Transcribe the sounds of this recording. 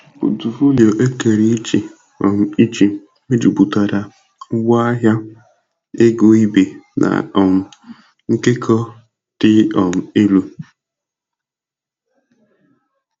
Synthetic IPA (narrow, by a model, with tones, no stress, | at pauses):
bṵ˨tu˨fu˦li˨o˨ʔe˦ke˨ɾi˦t͡ʃi˨ | ɔ̰˨m̩˦i˦t͡ʃi˨ | me˦d͡ʒu˨bu˨ta˨ɾa˨˦ | ɡa˦a˦ɦja˦ | e˦ɡo˨i˦be˨nʔa̰˨ɔ˨m̩˦ | ŋ̩˦ke˦kʰɔ˦ | d̥ɪ˦ɔ˨m̩˦e˦lu˦